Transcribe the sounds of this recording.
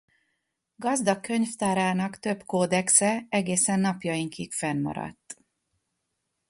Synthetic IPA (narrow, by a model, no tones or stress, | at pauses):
ɡɒzd̪ɒkːø̞ɲft̪aːɾaːnɒkt̪ø̞bkoːd̪ɛksɛɛɡeːsɛnːɒpjɒjiŋkikfɛnmɒ̰ɾɒ̰t̪ː